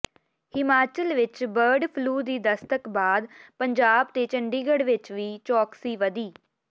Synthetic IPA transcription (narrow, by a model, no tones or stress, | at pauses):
hɪmaːt͡ʃəlʋɪt͡ʃbəɾɖpʰluːd̪iːd̪əst̪əkbaːd̪pəɲd͡ʒaːb̚t̪eːt͡ʃəɳɖiːɡəɽʋɪt͡ʃʋiːt͡ʃɔːksiːʋəd̪iː